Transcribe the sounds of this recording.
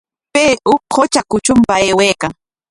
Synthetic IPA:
peːʔʊhot͡ʃakʊt͡ʃʊmpaeːwejkaŋ

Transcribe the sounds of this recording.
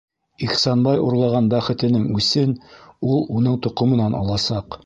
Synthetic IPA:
iχsɑnbɑjuɾlˠɑʁɑnbæχɘ̆t̪ɘ̆nɘŋʉsɘnulˠunɤɴt̪ŏqŏmɤ̆nɑnʔɑ̰lˠɑsɑq

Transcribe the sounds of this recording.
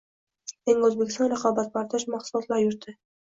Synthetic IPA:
eŋɵzbekʲɪ̥st̪ɒnɾɑqʰɒbat̪̚bɑɾd̪ɒʃmaχsʊlˠɒt̪lˠaɾjʊɾd̪ɪ

